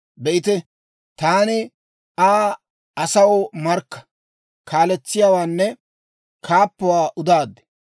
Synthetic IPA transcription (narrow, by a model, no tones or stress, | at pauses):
bɛʔɪt̪ɛ | t̪aːnɪ | aː | ɐsɐwɔmɐɾkːɐ̥ | kaːlɛt͡sːɪjaːwaːnːɛ | kʰaːpːɔwaːʔʊd̪aːd̪ɛ̥